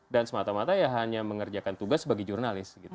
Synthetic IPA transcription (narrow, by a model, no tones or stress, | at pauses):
dansəmat̪amat̪ajaɦaɲaməŋərd͡ʒakant̪uɡasbaɡɛd͡ʒurnalɪsɡit̪u